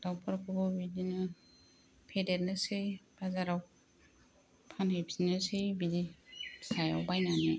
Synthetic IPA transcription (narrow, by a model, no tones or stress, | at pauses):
d̥awpʰaɾkʰuɡɔbidinɯ | pʰedet̚nɯsɯjb̥azaɾaw | pʰanejbʰsinɯsɯjbidisaja̰wbajnanɯ